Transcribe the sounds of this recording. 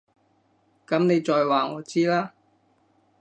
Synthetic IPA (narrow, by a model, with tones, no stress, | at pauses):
kɐ˨˥mne˨˧jt͡ʃɔː˨jwaː˨˩ŋɔː˨˧t͡siː˥laː˥